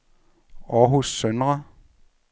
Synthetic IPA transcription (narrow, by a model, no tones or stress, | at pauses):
ɒɦusːœnʁɐ